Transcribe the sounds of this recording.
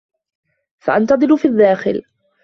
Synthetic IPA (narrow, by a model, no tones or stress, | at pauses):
faʔant̪ɑd̪ˤɨlʊfiaðːaːxɪ̰l